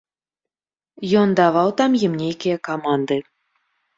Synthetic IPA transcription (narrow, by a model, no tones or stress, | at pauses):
jond̪ɑvɑwt̪ɑmjɘ̆mnʲejkʲejɛkamɑnd̪ɨ